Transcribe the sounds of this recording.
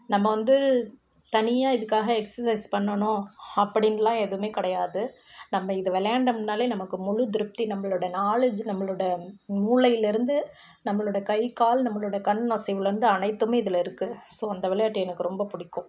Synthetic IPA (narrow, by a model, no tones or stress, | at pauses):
nɐmːɐʋɐnd̪ɯ | t̪ɐnɪjaːɪðɯkːaːɣɐɛksɐsɐɪspɐɳːɐnʊ̃ɐpːɐɽɪnɾɐlãːɛðɯmeːkɐɽɐjaːðɯ | nɐmːɐɪðɯʋɛlɐjaːɳɖɐmɪnːaːleːnɐmɐkːɯmʊɻʊd̪ɪɾɯp̚t̪inɐmːɐɭuɽɐnaːlɐd͡ʒnɐmːɐɭoɽɐmuːɭɐjɪlɪɾɯnd̪ɯ | nɐmːɐɭoːɽɐkɐɪkaːlnɐmːɐɭuɽɐkɐɳːnaːsɛɪʋɪlɐɾɯnd̪ɯɐnɐɪt̪ːɯmeːɪðɪlɐɪɾɯkːɯsoːɐnd̪ɐʋɛlɐjaːʈːɐjɛnɯkːɯɾɔmbɐpʊɽɪkːʊ̃